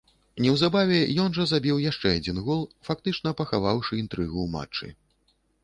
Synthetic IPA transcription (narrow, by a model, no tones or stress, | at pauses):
nʲɛwzabavʲɛjɔnʐɐzabʲiwjaʂt͡ʂɛad͡zʲinɣɔlˠfak̚t̪ɨt͡ʂnɐpɐxavawʂɨint̪ɾɨɣuma̰t͡ʂːɨ̰